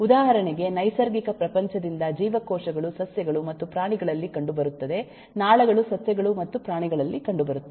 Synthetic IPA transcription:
ud̪aːɦɐɾɐɳɛɡe̞nɐjsɐɾɡikɐpɾɐpɐɲt͡ʃɐd̪ind̪ɐd͡ʒiːʋɐkɔːʂɐɡɐɭusɐsjɐɡɐɭumɐt̪ːupɾaːɳiɡɐɭɐlːikɐɳɖubɐɾut̪ːɐd̪e̞ | naːɭɐɡɐɭusɐsjɐɡɐɭumɐt̪ːupɾaːɳiɡɐɭɐlːikɐɳɖubɐɾut̪ːɐ

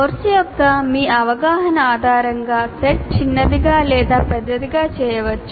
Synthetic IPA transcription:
oɾsijɔkːɐmiːɐʋɐɡaːɦɐnɐaːd̪ʱaːɾɐŋɡaːseʈ̚t͡ʃinːɐd̪iɡaːlɛːd̪aːpɛd̪ːɐd̪iɡaːt͡ʃɛːjɐʋɐt͡ʃːu

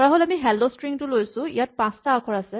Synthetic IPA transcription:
ɔɹaɦolamiɦɛldɔstɹiŋtulojsʊ̃ḭjat̚pãstakʰɔɹasɛ

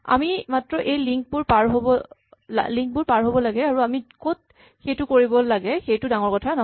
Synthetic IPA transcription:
a̰mimatɹɔʔejliŋk̚bʊɹpaɹɦobɔla̰liŋk̚bʊɹpaɹɦobɔlaɡɛaɹuamikot̚ | xejtʊkoɹibɔlaɡɛxejtʊdaŋɔɹkɔtʰanɔ

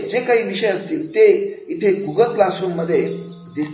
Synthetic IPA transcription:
d͡ʑekaɦiːʋiɕəjəst̪iːlt̪eit̪ʰeɡʱuɡət̪lasunmːəd̪ʱːje | d̪is

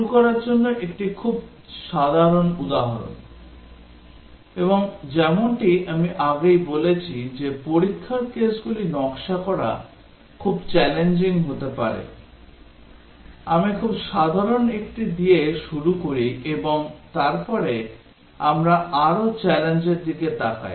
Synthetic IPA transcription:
uukɔɾaɾd͡ʑonːoʔek̚ʈikʰub̚ | ʃad̪ʱaɾonud̪aɦaɾo̰n | eboŋd͡ʑɛmonʈiʔamiʔaɡejbolet͡ɕʰid͡ʑepoɾikʰːaked͡ʑɡulinɔkʃakɔɾa̰ | kʰubt͡ɕɛlend͡ʑiŋɦot̪epa̰ɾḛ | amikʰubʃad̪ʱaɾonekʈid̪ieʃuɾukoɾiʔeboŋt̪aɾpɔɾe | amɾaʔaɾot͡ɕɛlend͡ʑeɾd̪iket̪aka̰j

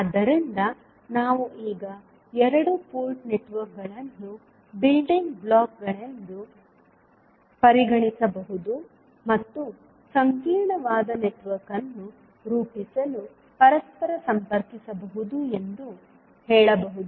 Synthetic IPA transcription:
ɐd̪ːɐɾind̪ɐ | naːʋuʔiːɡɐ | ɛɾɐɽupoːlʈneʈʋɐɾk̚ɡɐɭɐnːu | bilɖiŋɡblaːk̚ɡɐɭɐnd̪u | pɐɾiɡɐɳisɐbɐɦud̪u | mɐt̪ːu | sɐŋkiːɾɳɐʋaːd̪ɐneʈʋɐɾkɐnːu | ɾuːpisɐlu | pɐɾɐspɐɾɐsɐmpɐɾkisɐbɐɦud̪ue̞nd̪u | hɛːɭɐbɐɦud̪u

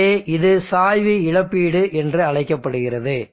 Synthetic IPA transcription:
eːʔɪðɯsaːjʋiɪɻɐpːiːɽɯʔɛndrɯɐɻɐɪkːɐpːɐɽɯɣɪrɐðɯ

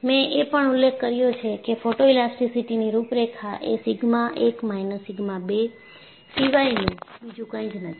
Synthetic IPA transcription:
mɛ̃ʔepəɳʊlːekʰːəɾjot͡ʃʰekefoʈoilasʈisiʈiniɾupɾekʰaʔesiɡmãʔekmajnəsiɡmãbe | siʋainũbid͡ʒũkə̃ĩd͡ʒnət̪ʰi̥

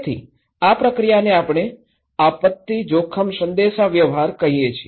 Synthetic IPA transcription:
t̪ʰḭ | apɾəkɾijaneapɳ̃e | apət̪ːid͡ʒokʰəmsənd̪eʃaʋjəʋɦaɾkəɦijet͡ʃʰi

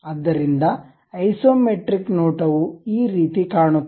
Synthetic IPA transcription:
ɐd̪ːɐɾind̪ɐ | ɐjsoːmeʈɾiknoːʈɐʋuiːɾiːt̪ikaːɳu

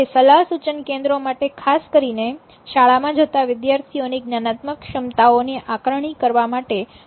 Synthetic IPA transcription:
esəlaɦsut͡ʃənkẽnd̪ɾomaʈekʰaskəɾine | ʃaɭamãd͡ʒət̪aʋɪd̪jaɾt̪ʰioniɡnanat̪məkʃəmt̪aoniʔakɾəɳ̃ikəɾʋamaʈe

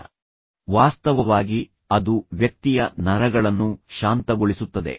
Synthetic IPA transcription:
ʋaːst̪ɐʋɐʋaːɡi | ɐd̪uʋjɐk̚t̪ijɐnɐɾɐɡɐɭɐnːuʃaːnt̪ɐɡoɭisut̪ːɐd̪e̞̰

